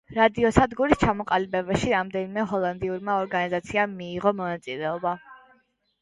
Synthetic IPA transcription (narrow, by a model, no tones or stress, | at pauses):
ɾad̪iɔsad̪ɡuɾist͡ʃʰamɔqʼalibɛbaʃiɾamd̪ɛnimɛɦɔlˠand̪iuɾmaɔɾɡanizat̪sʰiamːiːʁɔmɔnat̪sʼilɛɔba